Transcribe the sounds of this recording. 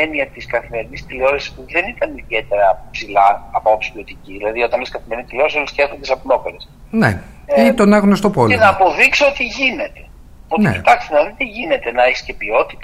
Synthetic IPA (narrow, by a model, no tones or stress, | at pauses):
eniɐt̪iskɐθime̞ɾinist̪ileo̞ɾesi̥suðe̞nit̪ɐniðe̞t̪e̞ɾɐpsilɐːpoopsi̥pio̞t̪iciðilɐðio̞t̪ɐnoskɐθimeɾinit̪ileo̞ɾesoisceθɐnt̪isɐpno̞peɾesnḛ | it̪onɐɣnost̪opolenɐːpo̞ðiksoot̪iʝine̞t̪e̞̥ | onḛit̪ɐkst̪enɐðit̪iʝine̞t̪e̞nɐeçi̥sce̞pio̞t̪i̥t̪ɐ